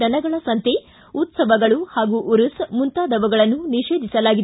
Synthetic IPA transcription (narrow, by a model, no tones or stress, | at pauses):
ɐnɐɡɐɭɐsɐnt̪e | ut̪sɐʋɐɡɐɭuhaːɡuʔuɾusmunt̪aːd̪ɐʋɐɡɐɭɐnːuniʂeːd̪ʱisɐlaːɡid̪